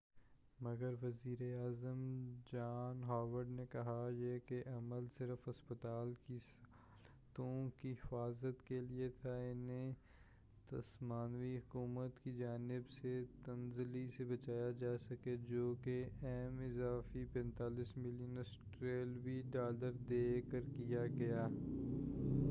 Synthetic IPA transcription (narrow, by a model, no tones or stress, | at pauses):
mɐɡəɾʋɐziːɾeaːzəmd͡ʒaːnɦaːʋəɖnekɐɦajekeʔɐməlsɪɾəfɦɐspət̪aːlkis | t̪õːkiɦɪfaːzət̪keliet̪ʰaɪnẽ | t̪ɐsmaːnʋiɦʊkuːmət̪kid͡ʒaːnɪbset̪ɐnzɪlisebɐt͡ʃaːjad͡ʒaːsɐked͡ʒoːkeɛɦmɪzaːfipɛ̃ːnt̪aːliːsmɪlijənəs | ʈɾeːlʋiɖaːləɾd̪eːkəɾkijaɡɐjaː